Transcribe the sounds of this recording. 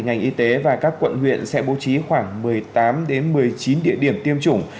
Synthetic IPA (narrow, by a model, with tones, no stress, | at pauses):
ŋa˨˩jŋ̟ʔi˧t̪e˨˦vaː˨˩kaː˦˥kːwə̰˧˨nhwḭ˧˨ənsɛ̰˧˥ɓo˨˦t͡ɕi˨˦xwaː˧˩ŋmɨ˨˩əjt̪aː˨˦mɗe˨˦nmɨ˨˩əjt͡ɕi˨˦nɗḭ˧˨əɗi˧˩əmt̪i˧əmt͡ɕʊ˧˩ŋ͡m